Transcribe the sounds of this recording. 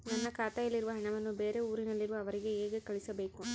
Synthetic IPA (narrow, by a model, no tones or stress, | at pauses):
nɐnːɐkaːt̪ɐjɐlːiɾuʋɐɦɐɳɐʋɐnːubeːɾeuːɾinɐlːiɾuʋɐːʋɐɾiɡe̞eːɡekɐɭisɐbe̞ːku